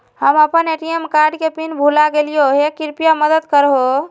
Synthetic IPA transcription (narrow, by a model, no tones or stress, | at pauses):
həməpəneʈiemkaɾɖkepinbʱulaɡelijoɦekiɾpijaməd̪əd̪kəɾɦo